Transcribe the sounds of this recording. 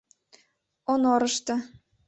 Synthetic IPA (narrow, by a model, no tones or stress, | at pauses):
onoɾɤ̆ʃt̪ɤ̆